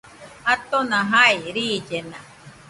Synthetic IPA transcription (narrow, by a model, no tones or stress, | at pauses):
at̪onãɦaiɾiːd͡ʒenã